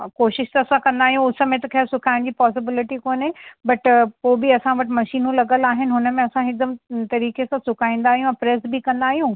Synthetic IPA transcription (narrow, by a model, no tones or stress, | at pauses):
koːʃɪʃt̪ɐɐsãkɐ̃nd̪aːɦijũʊsɐmẽt̪ɐkʰesʊkʰaːɪɽ̃d͡ʑiːpɔːs̬ɪbɪlɪʈikoːnɦebɐʈpoːbiɐsãʋɐʈɪ̆mɐʃiːnũlɐɡəlaːɦɪnɪ̆ɦʊnəmẽɐsãɦɪk̚d̪əmt̪ɐɾiːkesãsʊkʰaːĩːn̆d̪aːɦijũɛ̃pɾeːsbikɐ̃nd̪aːɦijũː